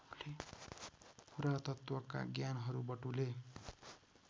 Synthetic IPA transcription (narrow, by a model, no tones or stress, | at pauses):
le | pʰuɾat̪ʌt̪wʌka̰ɡjanɦʌɾubʌʈule